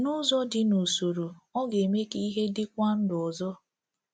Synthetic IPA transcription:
nʊ˦zɔ˦dɪ˦no˨so˨ɾu˨ɔ˦ɡe˨me˦ki˦i˦ɦe˦dɪ˦kʷa˦n̩˦dʊ˨ɔ˨zɔ˦

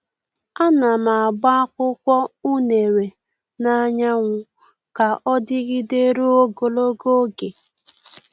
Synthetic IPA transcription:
a˦na˨ma˨ɡ͡ba˦a˦kʷʊ˦kʷɔ˦u˦ne˨ɾe˨ | na˦ɲa˦ŋʷʊ˦ | ka˨ʔɔ˦dɪ˦ɣɪ˦de˦ɾu˦o˦ɡo˨lo˦ɡo˦ɡe˨

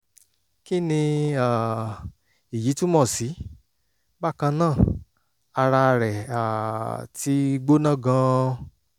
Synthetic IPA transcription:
ki˦nĩ˧a˨ | i˨ji˨˦tũ˦mɔ̃˦˨si˨˦ | ba˦˨kã˧nã˦˨ | a˧ɾa˧ɾɛ˨a˨ti˨˦˧ɡ͡bo˦nã˦˨ɡã˧

